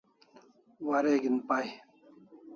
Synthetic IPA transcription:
wɐɾeɡinpaj

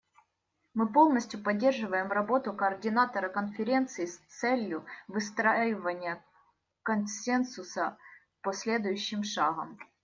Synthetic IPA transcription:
mɨpo̞lˠnəsʲtʲjʊpɐdʲːe̞rʐɨvəjɪmrɐbo̞t̪ʊkɐːrdʲɪnat̪ɐɾɐkənfʲɪɾʲe̞nt̪sɨɪst̪sɛlʲjʊvɨst̪ɾajɪvənʲɪjə | kɐnsʲɛnsʊsɐ | posʲlʲed̪ʊjʉɕːɪmʂaɣɐm

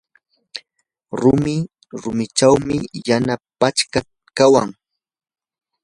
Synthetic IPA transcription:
ɾʊmɪ | ɾʊmɪʈ͡ʂawmɪjanapat͡ʃka | kawaŋ

